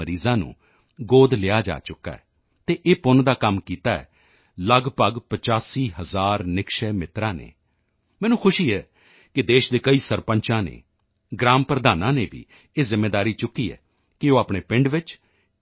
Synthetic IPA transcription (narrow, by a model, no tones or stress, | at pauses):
əɾiːzãːnṵ̃ː | ɡoːd̪lɪaːd͡ʒa̰ːt͡ʃʊkːa̰ːɛ̰ː | t̪eːʔeːpʊnd̪aːkəmkiːt̪aːɛ̰ː | ləɡpəɡpət͡ʃaːsiːɦəzaːɾnɪkʃɛːmɪt̪ɾãːnḛː | mɛ̃ːnũːkʰʊʃiːɛː | kɪd̪eːʃd̪eːkəiːsəɾpəɲt͡ʃãːnḛː | ɡɾaːmpɾəd̪aːnãːneːʋḭː | eːzɪmːeːd̪aːɾiːt͡ʃʊkːiːɛ̰ː | kɪoːaːpɳeːpɪ̃ɳɖʋɪt͡ʃ